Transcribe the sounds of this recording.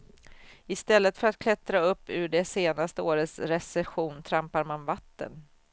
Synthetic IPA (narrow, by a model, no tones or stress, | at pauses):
ɪst̪ɛlːət̪fœɾat̪kʰlɛt̪ɾaɵpːʉɖɛseːnast̪əoːɾət̪sɾɛsɛɧuːnt̪ʰɾampaɾmanvat̪ːə̰n